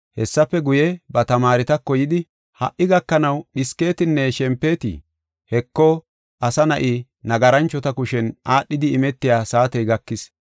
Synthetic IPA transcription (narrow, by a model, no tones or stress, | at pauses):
hɛsːɐpːɛɡʊjɛbɐt̪ɐmaːɾɪt̪ɐkːɔjɪd̪ɪ | hɐ̰ʔːɪɡɐkːɐnɐwɗɪske̞ːt̪ɪnːɛʃɛmpːeːt̪ɪ̰ | hɛkːɔ | ʔɐsɐnɐʔi | nɐɡɐɾɐnt͡ʃːɔt̪ɐkʊʃɛnʔaːɗːɪd̪ɪːmɛt̪ːɪjaːsaːt̪ɛjɡɐkːɪs